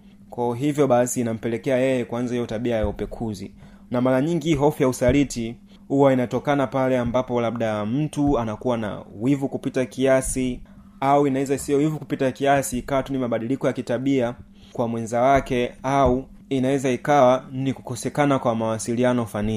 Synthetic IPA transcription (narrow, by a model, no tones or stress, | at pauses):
kwauɦivjɔɓasiːnam̩pɛlɛkɛajɛjɛkwanzaijɔtaɓiajaupɛkʰuzi | namaɾaɲiŋɡiɦɔfujausaliti | huwainatɔkanapalɛambapɔlaɓɗam̩tuanakuwana̰wivukupitakiasi | auinawɛzaisijɔwivukupitakiasiːkawatunimaɓaɗilikɔjakitaɓia | kwamwɛnzawakɛau | inawɛzaikawaniku̥kɔsɛkanakwamawasilianɔfani